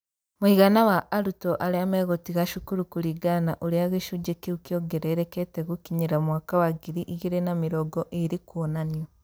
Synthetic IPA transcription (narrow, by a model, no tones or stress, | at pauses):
moiɣanawaʔaɾutɔʔaɾeamɛɣotiɣaʃukuɾukuɾiɡana̰ʔoɾeaɣeʃud͡ʒekeukjoɡeɾeɾeketeɣukiɲeɾamwakawaɡiɾiʔiɣiɾenamiɾɔɡɔʔeɾikwonaniɔ